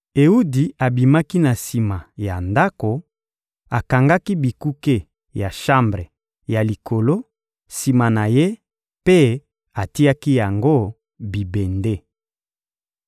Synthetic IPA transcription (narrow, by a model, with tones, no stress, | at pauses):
e˨u˦di˨a˨bi˨ma˦ki˦na˨si˨ma˨ja˨nda˦ko˨ | a˨ka˨ŋɡa˦ki˦bi˨ku˦ke˦ | ja˨ʃa˦mbʁe˨ | ja˨li˨ko˨lo˦ | si˨ma˨na˨je˦ | pe˦ | a˨ti˦ja˦ki˦ja˨ŋɡo˦ | bi˨be˨nde˦